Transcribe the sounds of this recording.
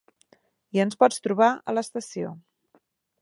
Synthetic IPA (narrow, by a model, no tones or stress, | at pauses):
iənspɔt͡st̪ɾuβ̞aələst̪əsio